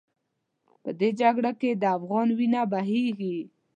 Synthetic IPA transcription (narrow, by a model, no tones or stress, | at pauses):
pəd̪ed͡ʒaɡɽaked̪əafɣɑnwinabaɦeɡi